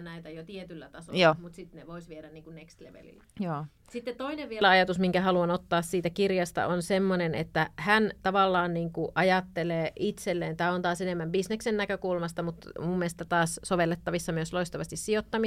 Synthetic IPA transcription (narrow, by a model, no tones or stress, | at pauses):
næit̪æjot̪iet̪ylːæt̪ɑsojoːmut̪sit̪neʋoisʋieɾænniːŋkunnekst̪lḛʋḛlḭlːæjoː | sit̪ːet̪t̪oineʋʋielæɑjɑt̪usmiŋkæhɑluɑnot̪ːɑːssiːt̪ækirjɑst̪ɑ̰ʔonsemːonenḛt̪ːæhænt̪ɑʋɑlːɑːnniːŋkuʔɑjɑt̪ːeleːʔit̪selːeːnt̪æːont̪ɑːsenemːæmbisneksenːækøkulmɑst̪ɑmut̪mumːieest̪æt̪ɑːssoʋelːet̪ːɑʋisːɑmyøsloist̪ɑʋɑst̪issijot̪ːɑmi